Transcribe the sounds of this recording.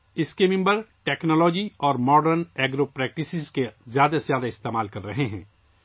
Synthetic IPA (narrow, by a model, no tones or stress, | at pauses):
ɪskemɪ̃mbəɾʈɛːknɔːlɔːd͡ʒiɔːɾmɔːɖəɾnɛːɡɾoːpɾɛːk̚ʈɪsɪzkezjaːd̪azjaːd̪aɪst̪eːmaːlkɐɾːɐɦeɦɛ̰̃ː